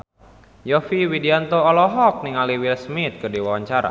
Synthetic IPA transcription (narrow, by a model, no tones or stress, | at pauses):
jɔfiwidiant̪oɔlɔɦɔk̚niŋaliwilsmit̪̚kɨrdiwawaɲt͡ʃaɾa̰